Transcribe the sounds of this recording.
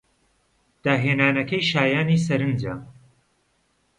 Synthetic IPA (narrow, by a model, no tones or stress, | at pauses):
d̪̥aːɦeːnaːnɐkɐjʃaːjaːniːsɐɾɨnd͡ʒa